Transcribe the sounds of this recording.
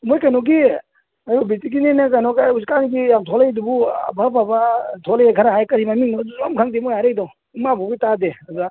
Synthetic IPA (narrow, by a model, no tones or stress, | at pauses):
mɔjkanɔɡi | ajɔbitik̬inenakanɔkajuskanɡijamtʰɔlajdubṵbʱapʰabatʰɔlajakʰaɾaɦajkɐɾimamiŋnɔzɔmkʰaŋdimɔjaɾejdɔ | mabɔɡitadeaza